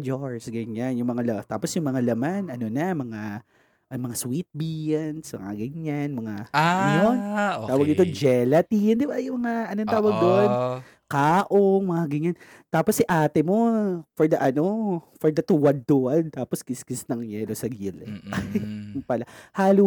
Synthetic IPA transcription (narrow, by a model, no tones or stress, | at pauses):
d͡ʒoɹsɡɐɲanjʊŋmɐŋalt̪aːposjʊŋmɐŋalɐmanɐnonɐmɐŋa | ʔɐmɐŋaswit̪̚bijɐnsmɐ̰ŋa̰ɡɐɲanmɐŋaɐnont̪aːwɐɡ̚nɪt̪od͡ʒɛlɐt̪ijʊnd̪ɪbajʊŋmɐŋaʔɐnont̪aːwɐɡ̚d̪oʔn | kaːʔoŋmɐŋaɡɐɲan | t̪aːposːiʔaːt̪ɛmo̞fɔɹd̪ɐʔɐno̞fɔɹd̪ɐt̪uwɐd̪̚t̪oʔɐnt̪aːposkɪskɪsnɐŋjɛlosɐɡilɛ | palahaːlu